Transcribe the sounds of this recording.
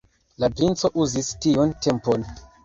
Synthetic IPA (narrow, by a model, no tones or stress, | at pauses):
lapint͡so̞ʔuzistiunte̞mpon